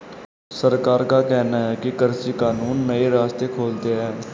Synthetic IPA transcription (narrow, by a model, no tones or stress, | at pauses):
səɾkaːɾkaːkɛːnaːɦɛːkɪkəɾsiːkaːnuːnməeːɾaːst̪eːkʰoːlt̪eːɦɛː